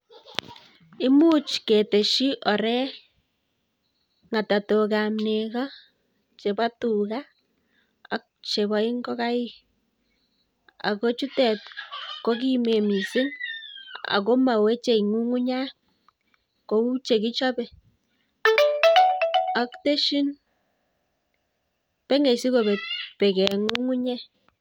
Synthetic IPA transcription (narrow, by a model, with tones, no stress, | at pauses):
ɪ˦mu˦t͡ʃke˨te˨ʃi˦ʔɔ˨ɾɛ˦ | ŋa˨ta˨to˨kamnekɔ˦ | t͡ʃe˨ba˦tu˨ka˦ | a̰˦k̚t͡ʃe˨bɔ˨i˦ŋɡɔ˦ka˦i˦ | a̰˨ko˦t͡ʃu˦tɛ˨t̚ko˦k̬i˦me˨mi˨sɪ˦n | a̰˨ko˦ma˨we˦t͡ʃe˨i˨ŋu˦ŋu˦ɲa˦ | ko˨u˦t͡ʃe˨ki˦t͡ʃɔ˦bɛ˨ | a˨kte˦ʃi˦n | pɛ˦ŋe˨si˦ko˨be˨t̚pɛ˨kɛ˨ŋu˦ŋu˦ɲɛ˦